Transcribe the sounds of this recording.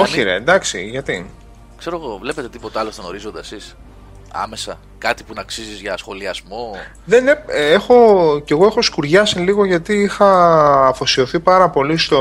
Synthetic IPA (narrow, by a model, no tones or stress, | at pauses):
oçiɾḛnd̪ɐksḭʝɐt̪i | kse̞ɾo̞ɣovlepe̞t̪e̞t̪ipo̞t̪eɐlost̪ono̞ɾizo̞nd̪ɐsis | ɐ̰me̞sɐ̰ | kɐt̪ipunɐksizizʝɐsxo̞liɐzmo̞ | ðe̞nee̞xo̞ce̞ɣo̞e̞xo̞skuɾʝɐsiliɣo̞ʝɐt̪iixɐːfo̞sio̞θipɐɾɐpo̞list̪o̞